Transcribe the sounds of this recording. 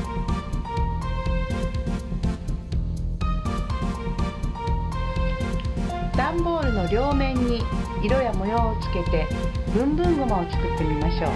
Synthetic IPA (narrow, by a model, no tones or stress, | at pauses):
d̪̥ãmbo̞ːɾɯ̟no̞ɾʲo̞ːmẽ̞ɲ̟ːiiɾo̞jamo̞joːt͡sɨ̥ke̞t̪e̞bɯ̟̃mbɯ̟̃ŋɡo̞maoki̥k̪ɯt̪ːemʲimaɕo̞ː